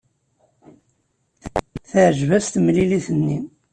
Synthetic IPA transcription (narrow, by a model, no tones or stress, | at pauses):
θəʕʒvæst̪mliliθənːi